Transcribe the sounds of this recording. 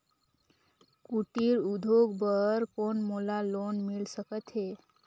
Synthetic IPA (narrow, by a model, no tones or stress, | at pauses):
kuʈiɾud̪ʱoɡbəɾkonmolalonmilsəkət̪ɦe